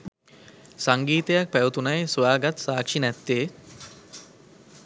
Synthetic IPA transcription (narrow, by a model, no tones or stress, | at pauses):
saŋɡiːt̪ejak̚pæjut̪unajsʋaːɡat̪saːkʂinɛt̪ːe